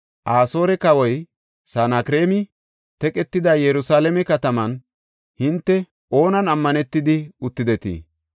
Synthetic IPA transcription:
ʔaːso̞ːɾɛkɐwɔj | saːnakɾe̞ːmɪ | t̪ɛkʼɛt̪ːɪd̪ɐjɛɾʊsaːlɛmɛkɐt̪ɐmɐn | hɪnt̪ːɛ | ʔo̞ːnɐnɐmːɐnɛt̪ːɪd̪ɪʊt̪ːɪd̪ɛt̪ḭː

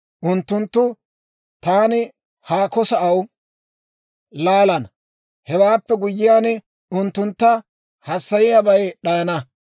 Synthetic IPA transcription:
ʔʊnt̪ːʊnt̪ːʊ | t̪aːnɪ | haːkɔsɐʔɐw | laːlɐn | hɛwaːpːɛɡʊjːɪjaːn | ʊnt̪ːʊnt̪ːɐ | hɐsːɐjɪjabɐjɗɐjɐnɐ

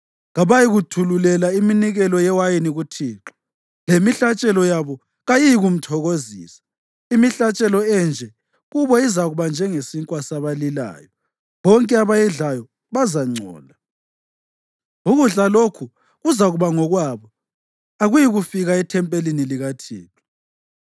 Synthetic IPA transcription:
ɣaβajiɣutʰululɛlaiminiɣɛlɔjɛwajiniɣutʰiːǁɔ̥ | lemiɬat͡ʃʼɛlɔjaβɔ | ɣajijiɣum̩tʰɔɣozḭːsḁ | imiɬat͡ʃʼɛlɔɛnd͡ʒʱɛ | ɣuβɔizaɣuβand͡ʒʱɛŋesiŋkʼwasaβalila̰ːjɔ | βɔŋkʼɛaβajɛɮajɔ | βazaŋ͡ǀʱɔ̰ːla | uɣuɮalokʰu | ɣuzaɣuβaŋɔɣwaβɔ | aɣujiɣufiɣaɛtʰɛmpʼeliniliɣatʰḭːǁu̥

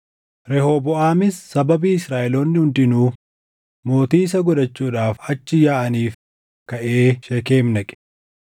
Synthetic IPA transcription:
ɾɛhobɔʔaːmɪsːɐbɐbiːɪsɾaːʔɛloːnːɪhʊnd̪ɪnuː | mo̞ːt̪iːs̬ɐɡɔᶑɐt͡ʃːuːᶑaːfɐt͡ʃːɪjaːʔɐniːf | kɐʔeːʃɛke̞ːmnɐkʼɛ̥

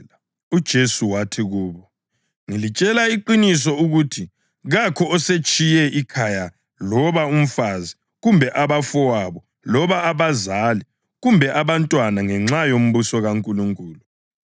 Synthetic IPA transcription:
ud̥ʒ̥ʱesuwatʰiɣuːβɔ | ŋilit͡ʃʼɛlaiǃinis̬ɔuɣuːtʰi | ɣakʰɔɔset͡ʃʼijɛʔikʰaja | lɔβaum̩fazi | ɣumbʱɛʔaβafɔwaβɔ | lɔβaːβazali | ɣumbʱɛʔaβantʼwanaŋɛŋ͡ǁajom̩βusɔɣaŋkʼuluŋkʼuːlu

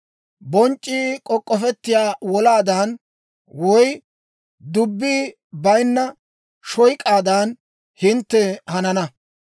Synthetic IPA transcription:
bɔnt͡ʃʼːikʼɔkʼːɔfɛt̪ːɪjaːwɔlaːd̪ɐn | wɔj | d̪ʊbːiː | bɐjnːɐ | ʃɔjkʼaːd̪aːn | hɪnt̪ːɛhɐnɐnɐ

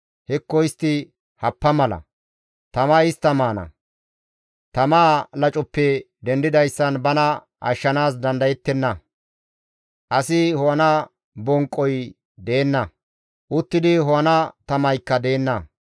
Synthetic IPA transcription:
hɛkːɔjɪst̪ːɪ | hɐpːɐmɐlɐ̰ | t̪ɐmaɪst̪ːɐmaːnɐ̰ | t̪ɐmaːlɐt͡ʃʼɔpːɛ | d̪ɛnd̪ɪd̪ɐjsːɐnbɐnɐ | ʔɐ̰ʃːɐnaːs̬d̪ɐnd̪ɐjɛt̪ːɛnːɐ | ʔɐsɪhɔwɐnɐ | bɔŋkʼːɔj | d̪eːnːɐ | ʔʊt̪ːɪd̪ɪɦɔwɐnɐt̪ɐmɐjkːɐd̪eːnːɐ

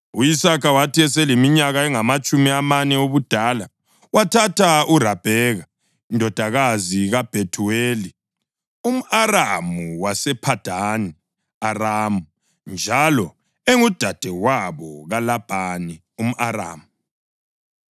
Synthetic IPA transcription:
uisakawatʰiɛsɛlemiɲaɣaɛŋamat͡ʃʼumiamanɛoβud̥ʱaːla | watʰatʰaurab̥ʱɛːɣa | indʱɔd̥ʱaɣaziɣab̥ʱetʰuweːli | um̩aramuwasɛpʰad̥ʱani | araːmu | nd͡ʒʱalɔ | eŋud̥ʱad̥ʱɛwaβɔɣalab̥ʱani | um̩ʔaɾa̰ːmu

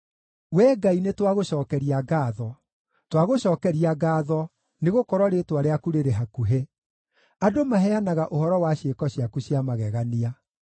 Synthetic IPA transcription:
wɛːɡainetwaɣoɕɔːkɛɾiaɡaːðɔ | twaɣoɕɔːkɛɾiaɡaːðɔ | neɣokɔɾwɔɾetwaɾeakuɾeɾeɦakuɦe | adomaɦɛanaɣaʔohɔɾɔwaɕekɔɕiakuɕijamaɣɛɣania

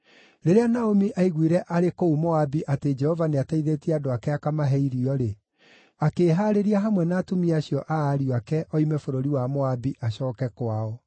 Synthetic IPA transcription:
ɾeɾeanaomiʔaiɣwiɾɛʔaɾekoumoabiʔated͡ʒɛhɔvaneataiðetiɛadoakɛakamaɦɛiɾiɔɾe | akeːɦaɾeɾiaɦamwɛnaːtomiaɕjɔʔaːɾiɔakɛʔɔimɛfoɾoɾiwamoabiʔaɕɔːkɛkwaɔ

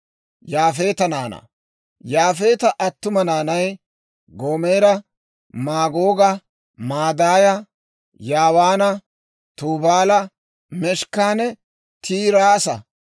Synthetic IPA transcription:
jaːfe̞ːt̪ɐnaːnɐ̰ | jaːfe̞ːt̪ɐʔɐt̪ːʊmɐnaːnɐj | ɡoːmeːɾɐ | maːɡoːɡɐ | maːd̪aːjɐ | jaːwaːnɐ | t̪uːbaːlɐ | mɛʃkːaːnɛ | t̪ʰiːɾaːsɐ̰

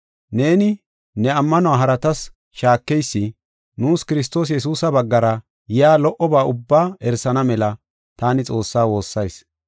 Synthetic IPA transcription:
ne̞ːnɪ | nɛɐmːɐnʊaːɦɐɾɐt̪ɐs | ʃaːkːɛjsːɪ | nuːskɪɾɪs̬t̪o̞ːs̬jɛs̬uːsɐbɐɡːɐɾɐ | jɪjaːlɔʔɔbaːʔʊbːaːɛɾsɐnɐmɛlɐ | t̪aːnɪt͡sʼo̞ːsːaːwo̞ːsːɐjs

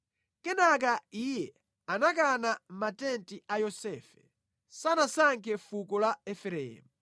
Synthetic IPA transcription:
kɛnakaijɛ | anak̬anam̩matɛntiajɔsɛːfɛ | sanasaŋkʰɛfukɔlaɛfɛɾɛ̰ːmu

